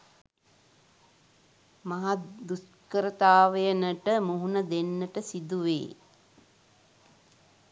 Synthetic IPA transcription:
mɐɦad̪uskəɾət̪aːʋəjənəʈəmuɦunəd̪enːəʈəsid̪uʋḛː

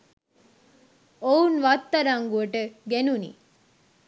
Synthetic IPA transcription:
ounʋat̪ːɐɾaŋɡuəʈəɡenunḭ

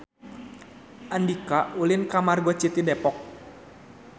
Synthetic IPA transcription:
ʔandikaulɪnkamarɡɔt͡ʃit̪idepɔk̚

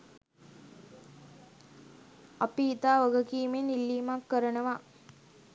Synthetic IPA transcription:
apiit̪aːʋəɡəkiːmenilːiːmakːəɾənəʋa

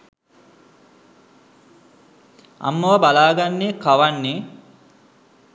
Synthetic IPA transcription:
a̰mːɐʋɐbalaːɡanːekaʋanːe

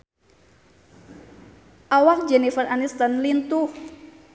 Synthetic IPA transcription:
ʔawak̚d͡ʒɛnifəranist̪ənlint̪uh

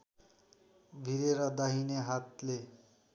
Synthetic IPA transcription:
bʱiɾeɾʌd̪aɦineɦat̪le

